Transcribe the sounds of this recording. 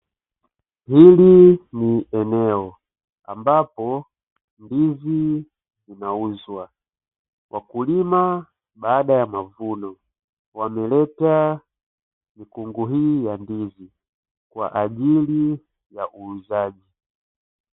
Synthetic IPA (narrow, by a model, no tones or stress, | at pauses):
hiliniɛnɛɔ | a̰mbapɔ | ndizi | zinauzwa | wʔakulima | baːɗajamavunɔ | wamɛlɛta | mikuŋɡuɦiːjandizi | kwa̰ʔaʄili | jaʔuːzaʄi